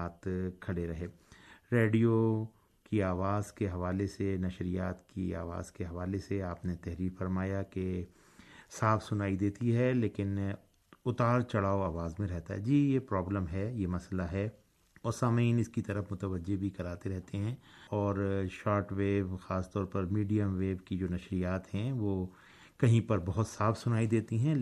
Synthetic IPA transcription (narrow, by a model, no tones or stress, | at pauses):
aːt̪kʰɐɽeɾɐɦeː | ɾeːɖijo | kiaːʋaːzkeɦɐʋaːlesenɐʃɾijaːt̪kia̰ːʋa̰ːz̥keɦɐʋaːleseaːpnet̪ɛɦɾiːɾfɐɾmaːjake | saːfʰsʊnaːid̪eːt̪iɦɛleːkɪn | ʊt̪aːɾt͡ʃɐɽaːoaːʋaːzmẽɾɛɦt̪aɦɛ̰d͡ʒiːjepɾɔːbləmɦɛjemɐslaɦɛ | ɔːɾsaːməiːnɪskit̪ɐɾəfmʊt̪əʋəd͡ʒːebʱikɐɾaːt̪eɾɛɦt̪eɦɛ̃ːɔːɾʃaːɾʈʋeːʋxaːst̪ɔːɾpɐɾmiːɖijəmʋeːʋkid͡ʒoːnɐʃɾijaːt̪ɦɛ̃ʋoː | kɐɦĩpɐɾbɐɦʊt̪saːfʰsʊnaːid̪eːt̪iɦɛ̃